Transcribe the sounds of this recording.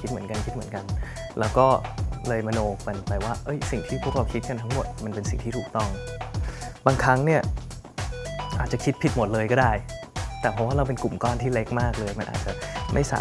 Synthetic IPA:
i˦˥t̪̚mɯ˩˦ənka˧nk̪̚ʰmɯ˩˦ənka˧n | lɛː˦˥wkɔː˥˩lɤː˧jma˧noː˧kpa˧npaː˧˩waː˥˩ʔɤ˦˥jsi˨˩ŋt̪ʰiː˥˩pʰu˥˩ək̚ɾa˧wkʰi˦˥t̪̚ka˧nt̪ʰa˦˥ŋmo˨˩t̪̚ma˧npe˧nsi˨˩ŋt̪ʰiː˥t̪ʰuː˨˩k̚t̪ɔ˥˩ŋ | baː˧ŋkʰɾa˦˥ŋni˥˩ɐə | ʔaː˨˩t͡ɕa˨˩kʰi˦˥t̪̚pʰi˦˥t̪̚mo˨˩t̪̚lɤː˧jkɔː˥˩daː˥˩jt̪ɛː˨˩pʰɔ˦˥waː˥ɾa˧wpe˧nku˨˩mkɔː˥˩nt̪ʰiː˥˩le˦˥k̚maː˥˩k̚lɤː˧jma˧nʔa̰ː˨˩t̪̚t͡ɕa˨˩ʔmʔa˥˩jsa̰ː˨˦

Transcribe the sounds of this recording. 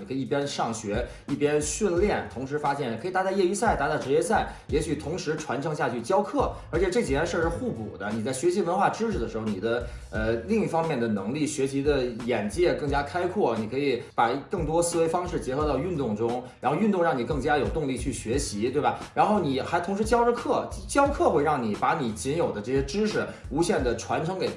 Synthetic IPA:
i˨˩kʰɤ˧˥i˩˧˥pjɛ˥nʂɑ˥˩ŋɕɥɛ˧˥ | i˥˩pjɛ˥nɕi˥˧nljɛ˥˩nt̪ʰʊ˧˥ŋʂɻ̩˧˥fa˥ɕjɛ˥˩nkʰɤ˧˥i˨˩t̪a˧˥a˥˧ɪjɛ˥˧y˧˥sa˥˩ɪt̪a˧˥t̪a˥˩ʈ͡ʂɻ̩˧˥t͡ɕjɛ˥sa˥˩ɪ | jɛ˧˥ɕy˨˩t̪ʰʊ˧˥ŋʂɻ̩˧˥ʈ͡ʂʰwa˧˥nʈ͡ʂʰɤ˧˥ŋɕja˥˧t͡ɕʰy˥˩t͡ɕjɑ˥ʊkʰɤ˥˩ə˞˧˥t͡ɕʰɛ˨˩ʈ͡ʂɤ˥˩t͡ɕi˨˩wɛ˥nʂə˥˧ʂɻ̩˥˧xu˥˩pṵ˨˩d̪ə˦ni˨˩t͡sa˥˩ɪɕɥɛ˧˥ɕi˧˥wə˧˥nxwa˥˧ʈ͡ʂɻ̩˥ʈ͡ʂʰɻ̩˧˩d̪ə˩ʂɻ̩˧˥o˧˩ʊni˨˩d̪ə˦ | ə˧li˥˧ŋi˥˩fɑ˥ŋmjɛ˥˩nd̪ə˩nɤ˧˥ŋli˥˩ɕɥɛ˧˥ɕi˧˥d̪ə˧jɛ˨˩nt͡ɕjɛ˥˧kɤ˥˩ŋt͡ɕja˥kʰa˥ɪkʰwɔ˥˩ni˨˩kʰɤ˧˥i˧˩˦pa˨˩kɤ˥˩ŋt̪wɔ˥sɹ̩˥˩we˧˥ɪfɑ˥ŋʂɻ̩˥˩t͡ɕjɛ˧˥xɤ˧˥t̪ɑ˥˧ʊy˥˧nt̪ʊ˥˩ŋʈ͡ʂʊ˥ŋɻa˧˥nxo˥˧ʊy˥˧nt̪ʊ˥˧ŋɻɑ˥˩ŋni˨˩kɤ˥˩ŋt͡ɕja˥jo˨˩ʊt̪ʊ˥˧ŋli˥˧t͡ɕʰy˥˩ɕɥɛ˧˥ɕi˧˥t̪we˥˩ɪba˨˩ɻa˧˥nxo˥˩ʊni˨˩xa˧˥ɪt̪ʰʊ˧˥ŋʂɻ̩˧˥t͡ɕjɑ˥ʊʈ͡ʂ̩˥kʰɤ˥˩t͡ɕt͡ɕjɑ˥ʊkʰɤ˥˧xwe˥˧ɪɻɑ˥˩ŋni˨˩pa˧˥ni˨˩t͡ɕi˧˥njo˨˩ʊd̪ə˦ʈ͡ʂɤ˥˩ɕjɛ˥ʈ͡ʂɻ̩˥ʂɻ̩˥˩ | u˧˥ɕjɛ˥˩nd̪ə˩ʈ͡ʂʰwa˧˥nʈ͡ʂʰɤ˥ŋke˨˩ɪ

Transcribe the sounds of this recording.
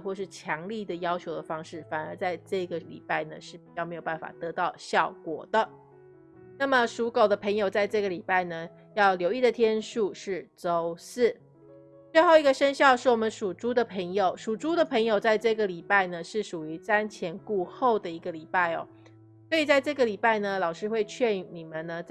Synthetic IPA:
xwɔ˥˧ʂɻ̩˥˩t͡ɕʰjɑ˧˥ŋli˥˩d̪ə˩jɑ˥ʊt͡ɕʰjo˧˥ʊd̪ə˨fɑ˥ŋʂɻ̩˥˩fa˨˩nə˞˧˥t͡sa˥˧ɪʈ͡ʂɤ˥˩ɡə˩lḭ˨˩pa˥˩ɪnə˩ʂɻ̩˥˩pi˨˩t͡ɕjɑ˥˩me˧˥ɪjo˨˩ba˥˩nfa̰˨˩t̪ɤ˧˥t̪ɑ˥˩ʊɕjɑ˥˩ʊkwɔ̰˨˩d̪ə˦ | na˥˩mə˩˨ʂu˧˥ko˨˩ʊd̪ə˦pʰə˧˥ŋjo˨˩ʊt͡sa˥˧ɪʈ͡ʂɤ˥˩ɡə˩li˨˩pa˥˩ɪnə˩ | jɑ˥˩ʊljo˧˥ʊi˥˩d̪ə˩t̪ʰjɛ˥nʂu˥˧ʂɻ̩˥˩ʈ͡ʂo˥ʊsɹ̩˥˩ | t͡swe˥˧ɪxo˥˩ʊi˧˥ɡə˨˩ʂə˥nɕjɑ˥˧ʊʂɻ̩˥˩wɔ˨˩mə˦nʂu˨˩ʈ͡ʂu˥d̪ə˨pʰə˧˥ŋjo˨˧ʊʂu˨˩ʈ͡ʂu˥d̪ə˨pʰə˧˥ŋjo˨ʊt͡sa˥˧ɪʈ͡ʂɤ˥˩ɡə˩li˨˩pa˥˩ɪnə˩ʂɻ̩˥˩ʂu˨˩y˧˥t͡sa˥nt͡ɕʰjɛ˧˥nku˥˧xo˥˩ʊd̪ə˩i˧˥ɡə˧˨li˨˩pa˥˩ɪɔ̰˨˩ | swɔ˧˥i˨˩t͡sa˥˧ɪʈ͡ʂɤ˥˩ɡə˩li˨˩pa˥˩ɪnə˩lɑ˨˩ʊʂɻ̩˥xwe˥˧ɪt͡ɕʰɥɛ˥˩˧ni˨˩mə˦nə˨t͡s

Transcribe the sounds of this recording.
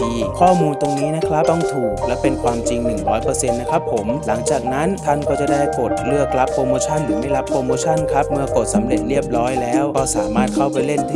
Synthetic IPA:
kʰɔː˥˩muː˧nt̪o˧ŋniː˦˥na˦˥kʰɾa˦˥p̚t̪ɔ˥˩ŋt̪ʰuː˨˩k̚lɛ˦˥wpe˧nkʰwaː˧mt͡ɕi˧ŋnɯ˨˩ŋɾɔː˦˥jpɤː˧se˧nːa˦˥kʰɾa˦˥pʰːo˩˦mla˩˦ŋt͡ɕaː˨˩k̚na˦˥nt̪ʰa˧˥˩nkɔː˥˩t͡ɕa˨˩daː˥˩jpoː˨˩t̪̚ɾɯ˥˩əkla˦˥pʰːɾoː˧moː˧t͡ɕʰa˥˩nɾɯː˩˦ma˥˩jɾa˦˥pʰːoː˧moː˧t͡ɕʰa˥˩nkʰɾa˦˥p̚mɯ˧ɐko˨˩t̪̚sa˩˦mɾe˨˩t̪̚ɾi˥˩əp̚ɾɔː˦˥jlɛː˦˥wɾa˧wsaː˨˩˦maː˥˩t̪̚kʰa˥˩wpa˧jle˥˩nt̪ʰː

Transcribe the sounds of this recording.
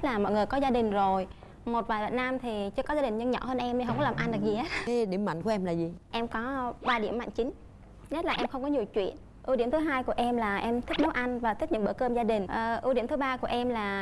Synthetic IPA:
t̚laː˨˩mɔ̰˧˨jŋɨ˨˩əjkɔ˨˦zaː˧ɗï˨˩ŋ̟zo˨˩j | mo˨˩t̚vaː˨˩jɗa̰ː˧˨na˧mt̪ʰi˨˩t͡ɕɨ˧˥əkɔ˨˦zaː˧ɗï˨˩ŋ̟ɲɨ˧ŋɲɔ̰˧˩həː˧nʔɛ˧mɲɨ˧ɦə˧wŋ͡mkɔ˦lːaː˨˩mʔa˧nɗɨ˨˩k̚zi˨˩he˦˥t̚ːɗi˧˩əmːa̰˧˨ŋ̟ku˧˩əʔɛ˧mlaː˨˩zi˨˩ʔɛ˧mkɔ˨˦ɓaː˧ɗḭ˧˩əma̰˧˨nt͡ɕï̟˨˦ | ɲə˦˥t̚laː˨˩ʔɛ˧mxə˧wŋ͡mkɔ˨˦ɲi˨˩əwt͡ɕwḭ˧˨ən | ʔɨ˧wɗi˧˩əmt̪ʰɨ˨˦ɦaː˧jku˧˩əʔɛ˧mlaː˨˩ʔɛ˧mt̪ʰi˦˥mu˨˦ʔa˧ŋ̟vaː˨˩t̪ʰi˦˥k̚ɲɨ̰˧˥ŋɓə̰˧˩kəː˧mzaː˧ɗï˨˩ŋ̟ʔə˨˩ʔɨ˧˩ɗi˧˩əmt̪ʰɨ˨˦ɓaː˧ku˧˩əʔɛ˧mlaː˨˩

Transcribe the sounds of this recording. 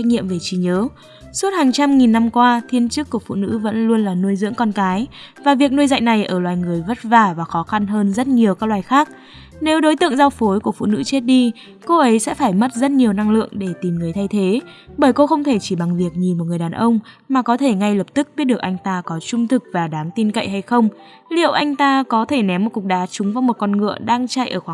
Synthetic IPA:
k̚ŋḭ˧˨əmve˨˩t͡ɕi˨˦ɲəː˨˦ | su˦˥t̚haː˨˩ŋt͡ɕa˧mŋi˨˩nːa˧mkwaː˧t̪ʰi˧ənt͡ɕɨ˦˥kːu˧˩əfṵ˧˨nɨ̰˧˥və̰˧˥nlu˧ənlaː˨˩nu˧əjzɨ̰˧˥əŋkɔ˧nkaː˨˦j | vaː˨˩vi˨˩ək̚nu˧əjza̰˧˨jŋ̟na˨˩jʔəː˧˩lwaː˨˩jŋɨ˨˩əjvə˦˥t̚vaː˧˩vaː˨˩xɔ˨˦xa˧nɦəː˧nzə˦˥t̚ɲi˨˩əwkaː˦˥k̚laː˨˩jxaː˦˥k̚ | ne˨˦wɗo˨˦jt̪ɨ̰˧ə˨ŋza˧wfo˨˦jku˧˩əfṵ˧˨nɨ̰˧˥t͡ɕe˦˥t̚ɗi˧ | ko˧ʔə˨˦jsɛ̰˧˥faː˧˩jmə˦˥t̚zə˦˥t̚ɲi˨˩əwna˧ŋlɨ̰˧˨əŋɗe˧˩t̪i˨˩mŋɨ˨˩əjt̪ʰa˧jt̪ʰe˨˦ɓəː˧˩jko˧xə˧wŋ͡mt̪ʰe˧˩t͡ɕi˧˩ɓa˨˩ŋvi˨˩ək̚ɲi˨˩mo˨˩t̚ŋɨ˨˩əjɗaː˨˩nʔə˧wŋ͡m | maː˨˩kɔ˨˦t̪ʰe˧˩ŋa˧jləː˨˩p̚t̪ɨ˦˥k̚ɓi˦˥t̚ɗɨ˨˩ək̚ʔa˧jŋ̟t̪aː˧kɔ˨˦t͡ɕʊ˧ŋ͡mt̪ʰɨ˨˩k̚vaː˨˩ɗaː˨˦ŋt̪i˧nkə̰˧˨jɦa˧jxə˧wŋ͡m | lḭ˧˨əwʔa˧jŋ̟t̪aː˧kɔ˨˦t̪ʰe˧˩nɛ˨˦mːo˨˩t̚kʊ˨˩k̚ɗaː˨˦t͡ɕʊ˨˦ŋ͡mvaː˧wŋ͡mmo˨˩t̚kɔ˧nŋɨ̰˧˨əɗaː˧ŋt͡ɕaː˧jʔəː˧˩xwaː˧˨

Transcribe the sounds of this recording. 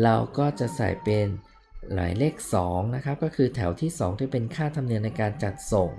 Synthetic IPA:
ɾa˧wkɔː˥˩t͡ɕa˨˩ʔsa̰˨˩jpe˧n | la̰ː˩˦jleː˥˩k̚sɔː˩˦ŋna˦˥kʰɾa˦˥p̚kɔː˥˩kʰɯː˧t̪ʰɛ˩˦wt̪ʰiː˥˩sɔː˩˦ŋt̪ʰiː˥˩pe˧nkʰaː˥˩t̪ʰa˧mni˧əna˧jkaː˧nt͡ɕa˨˩t̪̚so˨˩ŋ

